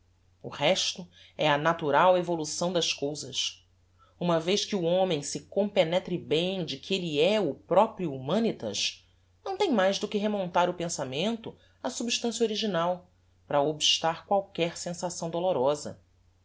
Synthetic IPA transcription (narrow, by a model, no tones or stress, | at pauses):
ʊhɛʃt̪ʊ | ɛɐnat̪uɾawevolusɐ̃w̃d̪ɐʃkowzɐs | ũmɐvejʃkɪuõmẽj̃sɪkõpenɛt̪ɾɪbẽj̃d͡ʒɪkʰeliɛʊpɾɔpɾjuːmɐ̃nit̪ɐ̰ʃ | nɐ̃w̃t̪ẽj̃majzd̪ʊkɪɦemõnt̪aɾʊpẽsamẽnt̪ʊ | ɐsubiʃt̪ɐ̃sjɐoɾiʒinaw | pɾɐobiʃt̪aɾkwawkɛɾsẽsasɐ̃w̃d̪oloɾɔzɐ̰